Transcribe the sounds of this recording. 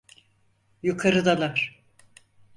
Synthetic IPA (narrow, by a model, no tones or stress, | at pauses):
jukʰaɾɯd̪alˠaɾ̥